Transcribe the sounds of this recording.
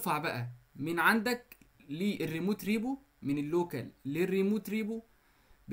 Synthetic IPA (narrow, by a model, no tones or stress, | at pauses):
fɑʕbæʔæmɪnʕand̪ækliːʔerːimuːt̪ɾiːbu | mɪnelːoːkælːirːimuːt̪ɾiːbu | b